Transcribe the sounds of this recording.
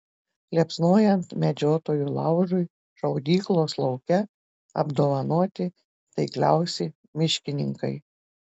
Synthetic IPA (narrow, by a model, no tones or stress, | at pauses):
lʲipsnoːjɛnt̪mʲɛd͡ʒʲoːt̪oːjuːlˠɑ̰ʊʒʊɪ | ʒɐʊd̪ʲiːklˠoːslˠɐʊkʲɛ | ɐ̰bd̪oːʋɐnoːt̪ʲɪ | t̪ɐɪklʲæʊsʲɛ | mʲɪʃʲkʲɪnʲɪŋkɐɪ